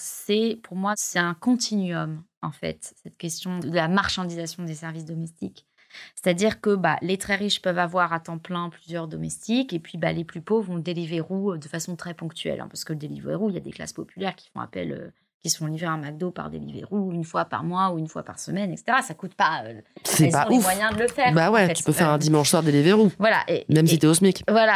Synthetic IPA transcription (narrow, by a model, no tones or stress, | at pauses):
sɛpuʁmwasɛt̪ɛ̃kɔ̃t̪ʰinɥɔmɑ̃fɛ̰t̪sɛt̪kʲɛst̪jɔ̃əd̪əlamaʁʃɑ̃d̪izasjɔ̃d̪esɛʁvis̬d̪ɔmɛst̪ik | se̥t̪ad̪iʁkəba̰let̪χɛʁiʃpœvavwaʁat̪ɑ̃plɛ̃plyzjœʁd̪ɔmɛst̪ikepɥibaleplypovʁɔ̃əd̪eliveʁuød̪əfasɔ̃t̪χɛpɔ̃kt̪ɥɛ̰lʔɛ̰̃paʁsə̥kələd̪elivʁeʁuilja̰d̪ekla̰spɔpylɛʁkʲi̥fɔ̰̃a̰pɛ̰lø̰ | kʲisə̥fɔ̃livʁeɑ̃maɡ̚d̪opa̰ʁd̪ḛlivḛʁuynfwapa̰ʁmwauynfwa̰pa̰ʁsəmɛnɛkse̥t̪eʁasakut̪paøsɛspãumwajɛ̃d̪ələfɛʁbawɛt̪y̥pøfɛʁɛ̃d̪imɑ̃ʃswaʁd̪eliveʁuvwala̰ʔemɛmsit̪ɛɔsmikvwala